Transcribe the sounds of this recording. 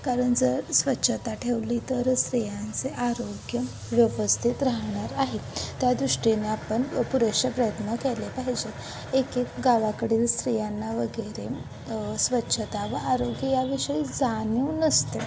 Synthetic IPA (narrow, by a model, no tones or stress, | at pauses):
kaɾəɳd͡zəɾsʋətːɕʰət̪aʈʰeʋlit̪əɾst̪ɾijãnt͡seʔaɾoɡjə | ʋjəʋəst̪ʰit̪ɾaɦɳaɾaɦet̪jad̪ɾuʂʈineapəɳpuɾekʂəpɾəjət̪nəkelepaɦid͡ʑe | ekekɡaʋakəɽiːlst̪ɾijanːaʋəɡəɾḛ | sʋətːɕʰət̪aʋəaɾoɡjəjaʋiʂəid͡zanuːnəst̪e